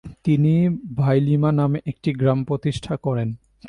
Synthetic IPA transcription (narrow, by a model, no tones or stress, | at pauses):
t̪inibʱajlimanameʔek̚ʈiɡɾampɾot̪iʃʈʰakɔɾen